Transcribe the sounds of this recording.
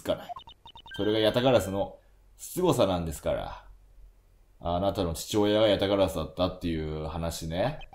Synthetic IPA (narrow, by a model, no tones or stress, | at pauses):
kanaiso̞ɾe̞ɡajat̪akaɾasɨno̞ | sɨ̥t͡sɨɡo̞sanãnd̪e̞sɨ̥ka̰ɾa̰ | anat̪ano̞t͡ɕi̥t͡ɕo̞ːjaɡajat̪akaɾasɨd̪at̪ːat̪ːe̞jɯ̟hanaɕine̞